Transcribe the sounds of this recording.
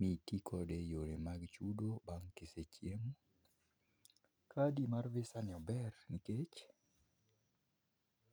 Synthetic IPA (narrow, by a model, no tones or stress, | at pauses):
mitikʰɔdejoɾemaɡt͡ʃudobaŋkɪset͡ʃjemu | kʰadimarvɪsanɪɔbɛrniket͡ʃ